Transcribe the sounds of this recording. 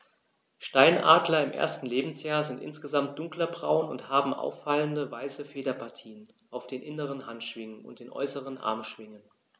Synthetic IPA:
ʃtaɪnʔa̰ːdlɐɪmʔḛːɐstn̩leːbm̩sjaːɐzɪntʔɪ̰nsɡ̥əzamt̚d̥ʊŋklɐbʁa̰ʊnʊnthaːbm̩ʔa̰ʊfːaləndəvaɪsəfeːdɐpʰaɐtʰiːən | ʔaʊfd̥eːnʔɪnəʁ̞ənhantʃv̥ɪŋənʊ̰nt̚d̥eːnʔɔ̰ʏsəʁ̞ənʔa̰ɐmʃv̥ɪŋən

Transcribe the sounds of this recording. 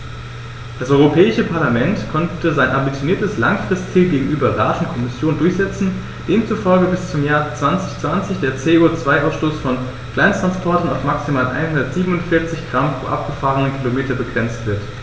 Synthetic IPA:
d̥asʔɔʏʁopʰɛːɪʃəpʰaɐlamɛntkʰɔntəzaɪnʔambit͡sjoniːɐtəslaŋfʁ̥ɪstt͡siːlɡeːɡŋ̩ʔyːbɐʁa̰ːtʊn̩kʰɔmɪsjoːndʊɐçz̥ɛt͡sn̩ | d̥eːmt͡sufɔlɡəbɪst͡sʊmjaːɐt͡sv̥ant͡sɪçt͡sv̥ant͡sɪçd̥eːɐt͡seːot͡sv̥aɪʔaʊsʃtoːsfɔn | kl̥aɪnstʁ̥anspʰɔɐtn̩aʊfmaksimaːlʔa̰ɪnhɦʊndɐtz̥iːbəm̩ʊntfɪɐt͡sɪçɡ̥ʁampʁ̥o̰ːʔa̰p̚ɡ̥əfaːʁənəkʰilomeːtɐbəɡʁɛnt͡stv̥ɪɐt

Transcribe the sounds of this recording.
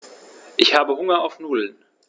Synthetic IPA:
ʔɪçhaːbəɦʊŋɐaʊfnuːdl̩n

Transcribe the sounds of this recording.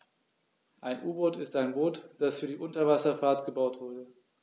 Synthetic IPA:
ʔaɪnʔuːboːtɪstaɪnboːtd̥asfyːɐdiːʔʊntɐvasɐfaːɐtɡ̥əbaʊtv̥ʊɐdə

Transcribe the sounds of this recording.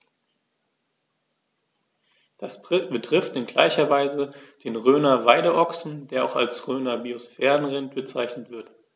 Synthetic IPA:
d̥asbb̥ətʁ̥ɪftɪnɡla̰ɪçɐvaɪzəd̥eːnʁøːnɐvaɪɾəʔɔksn̩deːɐʔaʊxa̰lsʁøːnɐbiosfɛːʁənʁɪntb̥ət͡saɪçnətv̥ɪɐt

